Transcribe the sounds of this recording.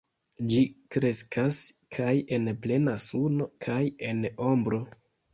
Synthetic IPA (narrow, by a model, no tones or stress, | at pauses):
d͡ʒikɾe̞skʰaskʰaje̞nple̞nasuno̞kʰaje̞no̞mbɾo̞